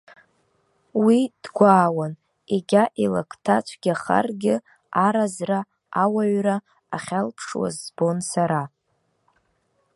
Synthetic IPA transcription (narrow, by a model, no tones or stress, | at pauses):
wid̥ɡʷaːwan | eɡʲaʔilakʰʼtʰat͡ʃʷʰɡʲaχa̰rɡʲɪ | aɾazra | awaɥraː | χʲalpʰʂwa̰zbo̞nsaɾa